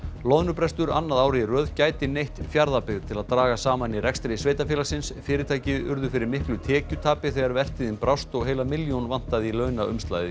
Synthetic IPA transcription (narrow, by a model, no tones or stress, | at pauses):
lɔðnʏpɾɛst̪ʏɾa̰nːaðaːwɾɪirœːðcaːjt̪ɪnejht̪fjaɾðapɪɣðt̪ʰɪlaðt̪ɾaːɣasaːmanirɛkst̪ɾejsveːjt̪afjɛːlasɪnsfɪːɾɪt̪ʰaːjcɪʏ̰ɾðʏfɪɾɪɾmɪhklʏt̪ʰɛːcʏt̪ʰaːpɪθɛɣaɾvɛr̥t̪iðɪnpɾawst̪ɔɣɦeːjlamɪljonvan̥t̪aðilœɥnaʏ̰mst̪la̰jðɪ